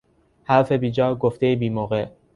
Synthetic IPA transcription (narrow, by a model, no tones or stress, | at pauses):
hæɾfe̞biːd͡ʒɒːɡoft̪e̞jebiːmoːɣeʔ